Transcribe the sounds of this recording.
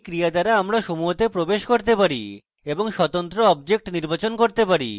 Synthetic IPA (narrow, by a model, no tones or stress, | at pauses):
kɾiad̪aɾaamɾaʃomuɦot̪epɾobeʃkoɾt̪epaɾḭ | eboŋʃɔt̪ont̪ɾoɔb̚d͡ʑek̚ʈniɾbat͡ɕonkoɾt̪epaɾḭ